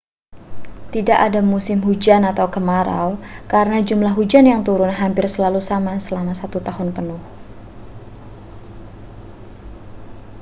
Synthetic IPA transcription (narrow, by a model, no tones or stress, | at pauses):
t̪idaʔadamusɪmɦud͡ʒanat̪awkəmaɾa̰wkaɾənad͡ʒumlaɦud͡ʒanjaŋt̪uɾʊnɦampɪrsəlalusamasəlamasat̪ut̪aɦʊnpənʊh